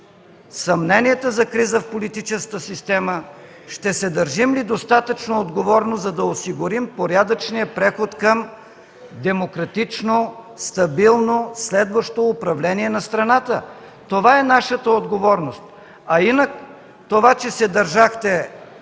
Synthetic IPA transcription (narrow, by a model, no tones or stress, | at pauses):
sɐmnɛniɛt̪əzɐkɾizəfpolit̪it͡ʃɛskkəsist̪ɛmə | ʃt̪ɛsɛd̪ɐɾʒimlid̪ost̪at̪ət͡ʃnood̪ɡovɔɾnozɐd̪ɐosiɡʊɾimpoɾʲjad̪ət͡ʃnijəpɾɛxot̪kəm | d̪ɛmokɾɐt̪it͡ʃno | st̪ɐbilˠnoslɛd̪vəʃt̪oːpɾɐvlɛniɛnɐst̪ɾɐnat̪ə | t̪ovaɛnaʃət̪əod̪ɡovɔɾnost̪̚ | ɐinək | t̪ovat͡ʃɛsɛd̪ɐɾʒaxt̪ɛ